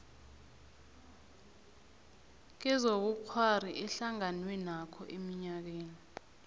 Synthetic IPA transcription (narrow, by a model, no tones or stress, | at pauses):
k̬ɛzok̬ukʰwariʔɛɬaŋanwɛnakʰɔʔemiɲak̬eːni